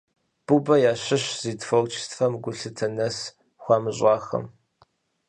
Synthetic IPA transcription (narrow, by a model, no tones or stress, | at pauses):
b̥ubɐjaːɕɪɕziːdfowt͡ʃʰstfɐmɡʷʊɬɨtʰɐnɐs | xʷɑːmɨɕʷʼɑːxɐ̰m